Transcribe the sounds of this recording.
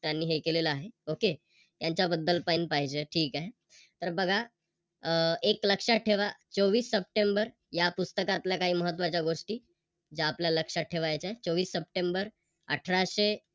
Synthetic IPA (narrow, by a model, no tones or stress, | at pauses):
t̪janːiːɦekeleləːɦeoke | t̪jaɲt͡ɕabəd̪ːəlpainpaɦid͡ʑeʈʰiːkaɦe | t̪əɾbəɡʱa | ekləkʂaʈʰeʋat͡soʋiːsːəp̚ʈembəɾ | japust̪əkat̪ljakaɦiːməɦət̪ːʋat͡ɕjaɡoʂʈiː | d͡ʑaːpljaləkʂaʈʰeʋajt͡saɦet͡soʋiːsːəp̚ʈembəɾ | ə̰ʈʰəɾaɕe